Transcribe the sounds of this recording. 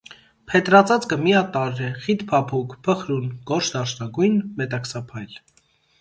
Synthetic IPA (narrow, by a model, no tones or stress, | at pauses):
pʰɛt̪ɾɑt͡sɑt͡skəmiɑt̪ɑɾːɛχit̪pʰɑpʰukʰpʰəχɾunɡ̥ɔɾʃʰd̪ɑɾʃnɑɡujnmɛt̪ɑksɑpʰɑjl